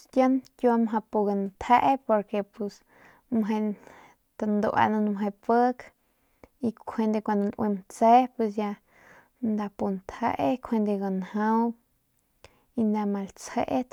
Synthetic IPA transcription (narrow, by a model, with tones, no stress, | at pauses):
t̪jə˦nkju˧a˧mɦa˧pu˧ɡa˧nt̪ʰe˦ʔe˦po˧ɾke˧pu˧s | mɦe˧ | t̪a˧nd̪o̰˧˨ʔa̰˧na˧n˧mɦe˧pə˦k | i˧kʰe˧nd̪e˧kʷa˧nd̪o˧lʔwʔe˧mt͡se˦pwe˧s̬ja˧ | nd̪a˧pu˧nt̪ʰe˦ʔe˦kʰwe˧nd̪e˧ɡa˨nhã˦w | i˧nd̪a˧ma˧lt͡she˦ʔe˦